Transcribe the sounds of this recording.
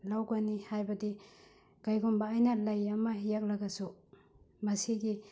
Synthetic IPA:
lawɡɐnihajbɐdi | kajɡumbɐːjnɐlɐjɐmɐɦijak̚lɐɡɐsu | mɐsiɡi

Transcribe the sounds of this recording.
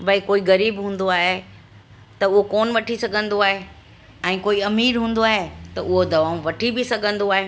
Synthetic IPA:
bɐikoːiɣɐɾiːbɦũːn̆d̪oaːɦe | t̪ɐʊɦokoːnʋɐʈʰisɐɡʱə̃nd̪oaːɦe | ɛ̃ːkoːiɐmiːɾɦũːnd̪oaːɦet̪ɐʔʊɦod̪ɐʋaːũʋɐʈʰibɪsɐɡʱə̃nd̪oaːɦeː

